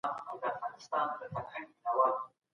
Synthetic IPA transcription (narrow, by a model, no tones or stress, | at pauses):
nawd̪əafɣɑnɪst̪ɑnd̪əfaɾhaŋɪnawɑ